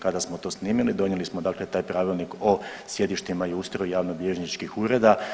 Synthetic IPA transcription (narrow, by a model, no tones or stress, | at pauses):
kad̪asmo̞t̪o̞ːsniːmilid̪o̞njelismod̪aːkle̞t̪aːjpɾaːʋilˠniko̞sje̞d̪iʃt̪imaiust̪ɾojjaːʋnobjeʒnit͡ʃkixuɾe̞d̪a